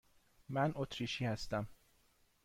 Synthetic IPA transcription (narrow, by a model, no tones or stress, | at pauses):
mænʔot̪ʰɾiːʃiːhæst̪æm